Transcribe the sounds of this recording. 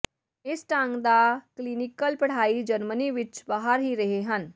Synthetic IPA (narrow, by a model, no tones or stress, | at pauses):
ɪsʈãŋɡd̪aklinɪkəlpɐɽ̤aːid͡ʒəɾməniʋɪt͡ʃbaɦəɾɦiɾɐɦeɦən